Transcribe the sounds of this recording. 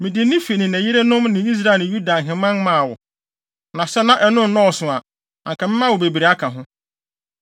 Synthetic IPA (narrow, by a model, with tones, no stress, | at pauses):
mɪ̃˨dɪ˨˦nɪ̃˦fi˨nɪ̃˨næ̃˨ji˦ɾe˦nʊ̃˦mnɪ̃˨i˦s̬ɾa˦ẽ˨ju˦da˨ŋ̩˨ɦɪ̃˨mã˦nmã˦˨wɔ̰˨ | nã˨sɛ˦nã˦ʔɛ˦nʊ̃˦nɔ̃ː˦˨sʊ̃˨a˨ | ã̰˨ŋkʰã˨mɪ̃˦mã˦˨wɔ˨be˨bi˨ɾe˨a˦kʰã˨ɦʊ̃˦